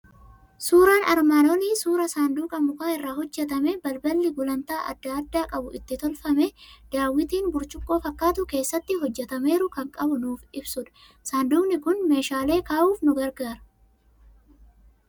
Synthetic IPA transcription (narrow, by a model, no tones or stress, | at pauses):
suːɾaːnɐɾmaːnoːniːsuːɾɐsaːnd̪uːkʼɐmʊkaːɪrːaːɦɔd͡ʒːɛt̪ɐmebɐlbɐlːɪɡʊlɐnt̪aːʔɐ̰d̪ːɐɐd̪ːaːkʼɐbʊʔɪt̪ːɪt̪ɔlfɐmed̪̥aːwːɪt̪iːnbʊɾt͡ʃʊkʼːo̞ːfɐkːaːt̪ʊke̞ːsːɐt̪ːɪɦɔd͡ʒːɛt̪ɐme̞ːɾʊkɐŋkʼɐbʊnuːfɪbsʊᶑɐ̥ | saːnd̪uːnɪkʊnme̞ːʃaːle̞ːkaːʔuːfnʊɡɐɾɡaːɾɐ̥